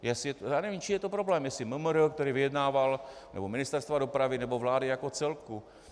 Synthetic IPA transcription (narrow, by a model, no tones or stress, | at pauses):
jɛsɪjɛt̪jaːnɛvimt͡ʃimjɛt̪opɾoblɛːmjɛsɪməmɾəkt̪ɛɾiːvɪjɛdnaːvalnɛ̰bomɪnɪst̪ɛɾst̪vado̞pɾavɪnɛbo̞vlaːdɪjakot͡sɛlku